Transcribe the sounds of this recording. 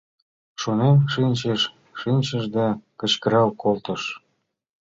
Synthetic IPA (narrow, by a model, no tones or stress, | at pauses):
ʃonemʃinʲt͡ɕeʃː | inʲt͡ɕəʒd̪ɑkə̆t͡ɕkə̆ɾɑlkolt̪ə̆ʃ